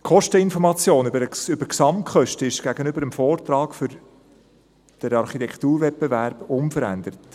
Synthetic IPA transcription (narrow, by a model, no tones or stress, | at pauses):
kʰɔʃtəɪnfɔɾmɑt͡sjoːnybəəʏbəɾksɑmtχœʃtəɪʃɡ̥æɡ̥ənʏbəɾəmfoːrtɾɑːkfʏɾ | d̥əɾɑɾχitɛktuːɾʋɛp̚bevæɾb̥ʊmfəɾæ̰nd̪əɾət